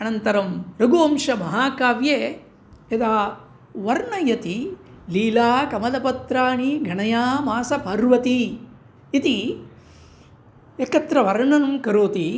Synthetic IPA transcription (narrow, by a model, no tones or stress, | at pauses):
ɐnɐnt̪ɐɾɐmɾɐɡoːmʂɐmɐɦaːkaːʋjeː | ed̪aː | ʋɐɾɳɐjɐt̪i | liːlaːkɐmɐd̪ɐpɐt̪ɾaːɳiɡʱɐɳɐjaːmaːsɐpɐɾʋɐt̪iː | t̪i | ekɐt̪ɾɐʋɐɾɳɐnɐmkɐɾoːt̪i